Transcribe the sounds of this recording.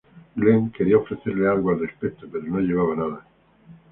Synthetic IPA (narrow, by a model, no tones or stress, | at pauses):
ɡleŋkeɾiaofɾeθeɾlealɣwalrespet̪opeɾonoʝeβaβanaða